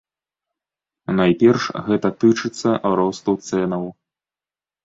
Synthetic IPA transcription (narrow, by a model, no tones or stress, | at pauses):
najpʲɛrʂɣɛt̪ɐt̪ɨt͡ʂɨt̪sːɐʔɾɔst̪ut̪sɛnɐw